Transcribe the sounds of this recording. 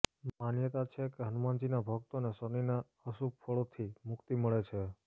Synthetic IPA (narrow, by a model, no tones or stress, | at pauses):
manjət̪at͡ʃʰekeɦənumand͡ʒinabʱək̚t̪oneʃənina | əsupfʰoɭot̪ʰimʊkt̪iməɭet͡ʃʰe